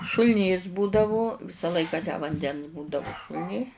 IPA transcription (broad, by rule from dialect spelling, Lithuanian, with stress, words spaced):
ʃʊlʲˈnʲiːs ˈbuːdɐʋʊ ˈʋʲɪsɐ ˈlˠɐɪkɐ tʲæː ʋɐnʲˈdʲɛns ˈbuːdɐʋʊ ʃʊlʲˈnʲiː